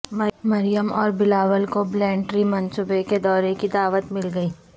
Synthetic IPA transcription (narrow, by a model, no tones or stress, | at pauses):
mmɐɾɪjəmɔːɾbɪlaːʋəlkoblɛ̃ːɳʈɾimɐnsubeked̪ɔːɾekid̪aːʋət̪mɪlɡɐiː